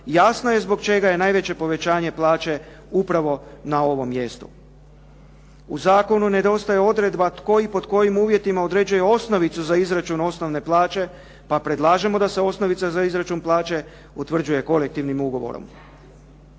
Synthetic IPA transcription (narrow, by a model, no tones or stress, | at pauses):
jasnoje̞zbo̞kt͡ʃe̞ɡaje̞naːjʋe̞t͡ɕe̞po̞ʋe̞t͡ɕaːɲe̞plˠaːt͡ʃe̞ | upɾaʋo̞nao̞ʋo̞mːje̞st̪u | uzaːko̞nune̞d̪o̞st̪ajeo̞d̪ɾe̞d̪bat̪ko̞jipo̞d̪ko̞jimuːʋje̞t̪imao̞d̪ɾe̞d͡ʒujeo̞sno̞ʋit̪suzaizɾat͡ʃuno̞sno̞ʋne̞plˠaːt͡ʃe̞ | papɾe̞d̪lˠaːʒe̞mo̞d̪ase̞o̞sno̞ʋit̪sazaizɾat͡ʃunplˠaːt͡ʃe̞ | ut̪ʋr̩d͡ʒuje̞ko̞le̞k̚t̪iʋnimuɡo̞ʋo̞̰ɾo̰m